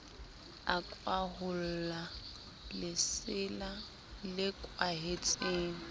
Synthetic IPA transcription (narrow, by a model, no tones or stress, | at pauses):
akʼwaɦʊl̩la | lɪsɪla | lɪkʼwaɦet͡sʼeːŋ̩